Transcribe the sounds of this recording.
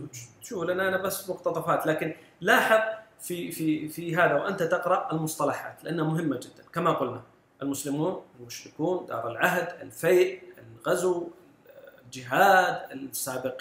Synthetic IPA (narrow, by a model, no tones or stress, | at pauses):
t̪ʃuːflʔanʔanabasːmʊqt̪ɑt̪ˤɑfɑːt̪laːkɪn | laːħɪɣfififiɦaːðawʔant̪at̪ɪqɾɑʔɪlmʊsˤt̪ˤɑlɑħa̰ːt̪lɪʔanːhamʊɦɪmːad͡ʒɪd̪ːankamaqʊlna | ʔalmʊslɪmuːnɪlmʊʃɾɪkuːnd̪ɑ̰ːɾˤɪlʕaɦd̪ɪlfejːʔɪlɣazuwɪ | d͡ʒɪɦaːd̪ɪlsːaːbɪq